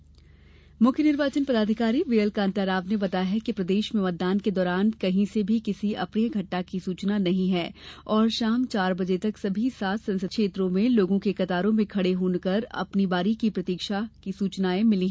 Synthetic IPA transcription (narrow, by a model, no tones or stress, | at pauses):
mʊkʰjənɪɾʋaːt͡ʃənpɐd̪aːd̪ʱɪkaːɾiʋeːəlkãːnt̪aːɾaːbnebɐt̪aːɦɛkipɾɐd̪eːʃmẽmɐt̪̚d̪aːnked̪ɔːɾaːnkɐɦĩsebʱikɪsiɐpnijəɡʱɐʈːakisuːt͡ʃnanɐɦĩɦɛːɔːɾʃaːmt͡ʃaːɾbɐd͡ʒet̪ɐksɐbʱisaːt̪ʰsɐ̃nsəkʃeːt̪ɾõmẽloːɡõkekɐt̪aːɾõmẽkʰɐɽeɦoːnkɐɾɐ̰pnibaːɾikipɾɐt̪iːkʃakisuːt͡ʃnaːẽmɪliɦɛ